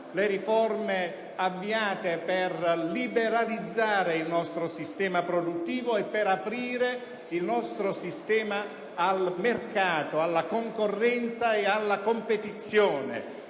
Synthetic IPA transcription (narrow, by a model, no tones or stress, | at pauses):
leɾifɔrme | avːiaːt̪eperlibeɾalid̪zːaːɾeilnɔst̪ɾosist̪ɛːmapɾod̪ut̪ːiːvoɛpːeɾapɾiːɾe | ilnɔst̪ɾosist̪ɛːmaː | lmerkaːt̪oalːakoŋkorːɛnt̪saealːakompet̪it̪sːjoːnḛ